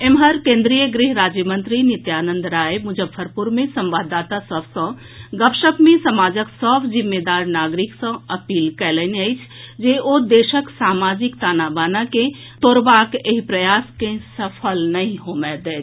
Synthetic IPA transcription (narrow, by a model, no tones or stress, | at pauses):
emɦəɾkẽːnd̪ɾijəɡɾɪɦɾaːd͡ʒjəmə̃nt̪ɾinɪt̪jaːnə̃nd̪ɾaːemʊd͡ʒəbːəɾpuɾmẽsɐ̃mʋaːd̪ːaːt̪asɔbsə̃ | ɡəpʃəkmẽsɐmaːd͡ʒəksəbʰd͡ʒimːed̪aːɾnaːɡɾɪksə̃ɐpiːlkɛːlɛneəjt͡ʃʰd͡ʒeʔod̪eːʃəksaːmaːd͡ʒɪkt̪aːnaːbaːnakẽ | t̪oːɾbaːkeɦipɾɐjaːskẽsɐpʰəlnɐɦĩɦoːmɛd̪ɛːt͡ʃʰ